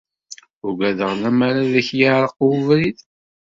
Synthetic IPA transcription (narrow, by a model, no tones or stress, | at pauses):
ʊɾɡʷæðəʁnæmaɾaðæçjaɾˤəquvɾið